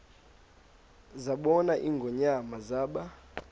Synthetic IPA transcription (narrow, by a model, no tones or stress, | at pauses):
zaɓɔnaʔiːŋɡʱɔɲamazaːɓa